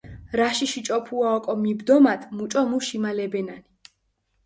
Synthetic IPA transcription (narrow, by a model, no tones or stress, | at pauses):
ɾaʃiʃit͡ʃʼɔpʰuaɔkʼɔmibd̪ɔmat̪ʰmut͡ʃʼɔmuʃimalɛbɛnani